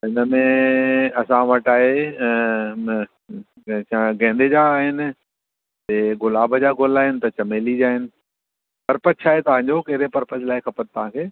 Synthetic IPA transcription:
ɪnəmẽɐsãʋɐʈaːɦe | ãɡɛ̃ːnd̪ʱed͡ʑaːɦɪnɪ̆ | t̪eɡʊlaːbəd͡ʑaːɡolaːɦɪnɪ̆t̪ɐt͡ɕɐmeːlid͡ʑaːɦɪnɪ̆ | pɐɾpət̪t͡ɕʰaːɦet̪ɐʋ̤ãːɲd͡ʑokɐɦɪɾepɐɾpətlaːɪkʰɐpət̪̚t̪ɐʋ̤ãkʰeː

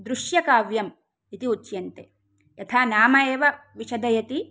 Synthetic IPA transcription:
d̪ɾuʃjɐkaːʋjɐm | it̪iut͡ʃːjɐnt̪e | jɐt̪ʰaːnaːmɐeːʋɐʋiʃɐd̪ɐjɐt̪i

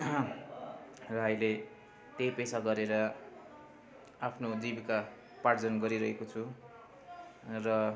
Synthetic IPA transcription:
rʌɦʌile | t̪ejpesaɡʌɾeɾʌ | apʰnod͡zibika | paʈd͡zʌnɡʌɾiɾʌɦekot͡sʰu | rʌ

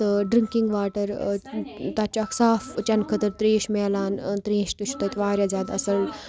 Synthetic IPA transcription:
ɖɾiŋkiŋɡʋaːʈɐɾ | t̪ɐt͡ʃaksaːft͡ʃɐnkʰɐt̪ɐɾt̪ɾẽːʃmeːlaːnt̪ɾẽːʃt̪uʃʰu̥t̪ɐt̪ʋaːɾʲjaːzjaːd̪ɐsɐl

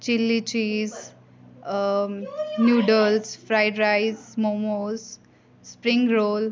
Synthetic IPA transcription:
t͡ʃilːit͡ʃiːz | njuːɖəlsfɾaɪɖɾaɪzmomos | spɾĩŋɡɾoːl

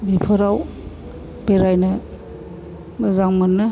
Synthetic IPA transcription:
bipʰɯɾaw | b̥eɾajnɯ | məzaŋmɯnːɯ

